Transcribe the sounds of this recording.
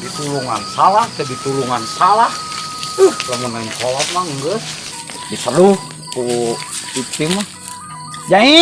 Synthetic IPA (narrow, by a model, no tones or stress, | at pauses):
dit̪uluŋansalahk̪ədit̪uluŋansalahəhləmənankolat̪̚maŋɡəs | disəruh | ku | it̪ima | d͡ʒaŋi